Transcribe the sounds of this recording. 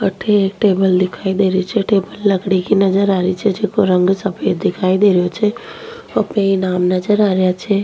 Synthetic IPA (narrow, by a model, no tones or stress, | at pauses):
kɐʈ̪ʰeeːk̚ʈeːbəld̪ɪkʰaːid̪eːɾit͡ʃʰɛʈeːbəlːɐɡɽekinɐd͡ʒəɾaːɾit͡ʃʰɛd͡ʒeːkoɾə̃ŋɡsɐpʰeːd̪ɪkʰaːid̪eːɾijot͡ʃʰɛ | ɐpnẽinaːmnɐd͡ʒəɾaːɾjat͡ʃʰɛ